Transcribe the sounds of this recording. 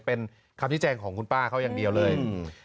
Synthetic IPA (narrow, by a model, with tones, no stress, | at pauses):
pe˧n | kʰa˧mt͡ɕ̚ʰːt͡ɕɛː˧ŋkʰɔː˩˦ŋkʰu˧npaː˥˩kʰa˦˥˩wjaː˧ŋdi˧əwlɤː˧j